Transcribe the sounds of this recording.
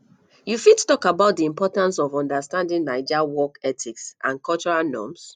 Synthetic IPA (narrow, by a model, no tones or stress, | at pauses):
jufittɔkabaʊt̚diĩmpɔtãnsɔvɔ̃ndastãndĩŋnaɪd͡ʒawɔkɛtʰiksʔã̰nkɔlt͡ʃɔɹalnɔ̰̃ms